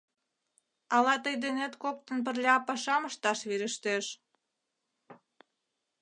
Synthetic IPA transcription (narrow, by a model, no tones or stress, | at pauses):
ɑlɑt̪əjd̪enet̪kok̚t̪ə̆np̬ərlʲɑɑpɑʃɑməʃt̪ɑʃβiɾə̆ʃt̪eʃ